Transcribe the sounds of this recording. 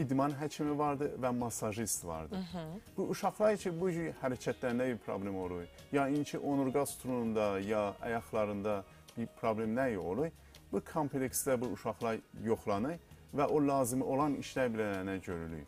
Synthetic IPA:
id̪mɑnɦæt͡ʃʰimivɑɾd̪ɯvæmɑsɑʒist̪vɑ̰ɾd̪ɯb̥uʔuʃɑχlˠɑɾt͡ʃʰibud͡ʒyhæɾæcʰæt̪ʰlæɾinæbiɾpʰɾo̰blemo̞lˠuj | jɑint͡ʃʰiʔo̞nuɾɡɑst̪ʰuɾunund̪ɑjɑɑ̰jɑχlˠɑɾɯnd̪ɑ | b̥iɾpʰɾoblemnæjolˠuj | b̥ukʰompʰleksd̪æbuuʃɑχlˠɑɾjo̞χlˠɑnɯɾvæʔolɑːzimiʔo̞lˠɑnḭʃlæɾbilææɾnæɟøɾyly̰j

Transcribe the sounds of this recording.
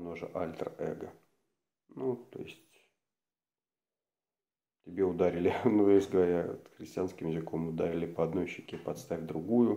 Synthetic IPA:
noʐə̰ʔa̰lʲt̪rɛ̰ɡə | nut̪o̞̰jɪsʲtʲ | tʲɪbʲe̞ʊd̪aɾʲɪlʲɪnuesʲɡəvɐɾʲa̰t̪xɾʲɪsʲtʲɪanskʲɪmjɪzɨko̞mʊd̪aɾʲɪlʲɪpəɐd̪no̞jɕːɪkʲepɐt̪st̪afʲd̪ɾʊɡujʊ

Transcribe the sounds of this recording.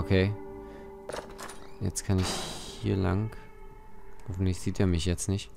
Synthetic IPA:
ʔokʰeː | jɛ̰t͡stkʰanɪçhiːɐla̰ŋk | ofnɪçz̥iːteːɐmɪçjɛt͡stnɪçt

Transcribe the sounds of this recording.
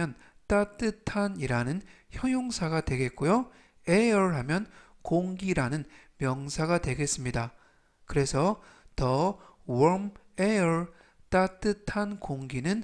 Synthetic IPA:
ʌnt͈at͈ɯtʰaniɾanɯnçjʌŋjoŋsʰaɡadwe̞ɡe̞t̚k͈ojo | eʌɭɦamjʌnkoŋɡiɾanɯnmjʌŋsʰaɡadwe̞ɡe̞s͈ɯmɲida | kɯɾe̞sʰʌtʌwʌm | eʌɭ | t͈at͈ɯtʰankoŋɡinɯn

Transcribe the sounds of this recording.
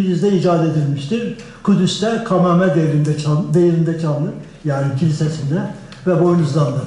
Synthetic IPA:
yd̪yzd̪ɛid͡ʒaːd̪ed̪ilʲmiʃt̪ʰiɾ | kʰud̪yst̪ɛkʰamaːmɛd̪eɾind̪ɛad̪ejɾind̪ɛt͡ʃʰalˠlˠɯ | jaːnicʰilʲisɛsind̪ɛ | vɛbojnuzlˠand̪ɯ

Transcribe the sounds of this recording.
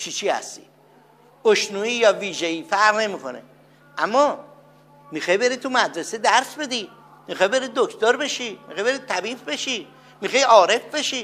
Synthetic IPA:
t͡ʃʰit͡ʃʰiːhæ̰st̪i̥̰ː | oʃnuːiːjɒːviːʒeiːfæɾʁne̞mikʰonḛ | ʔæmːɒː | mixɑjbe̞ɾit̪ʰumæd̪ɾesed̪æɾsbe̞d̪i | mixɑjbe̞ɾid̪̚d̪okʰt̪oɾbe̞ʃimixɑjbeɾid̪̚t̪ʰæbiːfbe̞ʃi | mixɑjɒːɾe̞fbe̞ʃi

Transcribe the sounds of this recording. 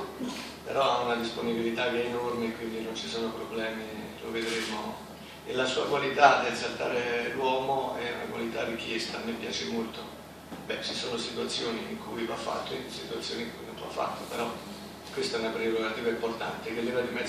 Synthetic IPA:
pḛɾɔaunad̪isponibilit̪avɛenormekːwind̪inont͡ʃisoːnopɾobːlɛːmilo̰ved̪ɾemo | elːasuːakwalit̪ad̪elsalt̪a̰ːɾelwɔːmoɛṵna̰kwa̰lit̪arːik̟jɛst̪amɪpja̰ːt͡ʃemolt̪o | bɛt͡ʃisoːnosit̪wat̪sːjoːniːŋkʰujivafːa̰t̪ːoisit̪wat̪sːjoːniŋkujnomt̪oa̰fːa̰t̪ːopeɾɔ | kwest̪aɛnapɾeɾoɡat̪iːvaimport̪a̰nt̪ekelːivad̪imɛ

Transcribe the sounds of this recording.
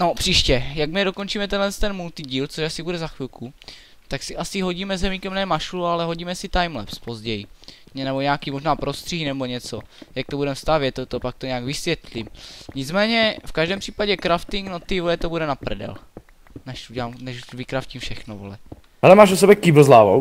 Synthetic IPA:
no̞pr̥iːʃcɛjaɡmɪdo̞kont͡ʃiːmɛt̪ɛnlɛst̪ɛnmult̪ɪɟiːlt͡soʃasɪbudɛzaxvɪlkʰu | t̪aksɪʔasɪɦo̞ɟiːmɛzɛmiːkɛmnɛːmaʃulualɛɦo̞ɟiːmɛsɪt̪ajmlɛ̰pspozɟɛji | nɛboɲɛakiːmo̞ʒnaːpɾost̪r̥iinɛboɲɛt͡sojak̚t̪obudɛmst̪avjɛt̪ːot̪opak̚t̪oɲɛaːɡvɪsʋjɛt̪limɲɪt͡smɛːɲɛfkaʒdɛːmpr̥iːpaɟɛkɾaft̪ɪŋknot̪ːivolɛt̪obudɛnapɾɛdɛ̰l | nɛʃuɟɛlaːmnɛʃvɪkɾafcimfʃɛxnovo̰lɛ̰ | ɦɛlɛmaːʃos̬ɛbɛkibl̩zlaːvo̰w

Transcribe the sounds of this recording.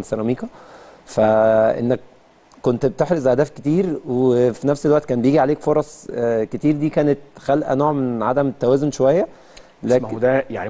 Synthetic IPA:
sæɾˤɑmiːkæfæʔḛnːæk̚ː | ont̪bet̪eħɾosʔhæhd̪æːfket̪iːɾwefinæfselwæʔt̪kæːnbejiːɡiʕaleːkfoɾˤɑsˤket̪iːɾd̪iːkæːnet̪̚xælʔæ̰noːʕmenʕad̪æmt̪ːæwæːzonʃowæjːæ | læːd̪æjaʕni

